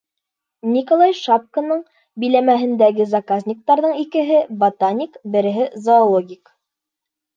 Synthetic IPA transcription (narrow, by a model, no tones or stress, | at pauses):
nʲikolˠɑjʃap̚kə̆nɤɴ | bɘ̆jlæmæɦɘ̆nd̪æɡɘzɐkazʲnʲik̚t̪ɑɾðɤɴikɘ̆ɦɘbot̪anʲikbɘ̆ɾɘ̆ɦɘzoːlˠoɡʲik